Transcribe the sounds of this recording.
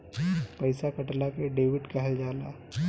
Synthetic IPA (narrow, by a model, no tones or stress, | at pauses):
pɐɪsakəʈlakeɖeːʋɪʈkɛɦɛld͡ʒaːla̰ː